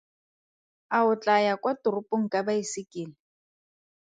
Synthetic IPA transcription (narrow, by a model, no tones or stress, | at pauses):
aʊt͡ɬʼajakʼwatʊrʊpʼoŋ̩kʼabaisɪkʼɪːlɪ